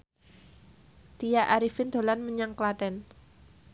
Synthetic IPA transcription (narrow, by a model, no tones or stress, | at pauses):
d̪̥ijaʔaɾifɪnd̪̥o̤lanməɲaŋklat̪ɛn